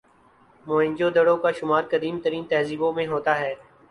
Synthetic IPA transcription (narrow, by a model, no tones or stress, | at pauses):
moːɪ̃ɲd͡ʒod̪əɽõkaʃʊmaːɾkəd̪iːmt̪əɾiːnt̪ɛɦziːbõmẽɦoːt̪aːɦɛː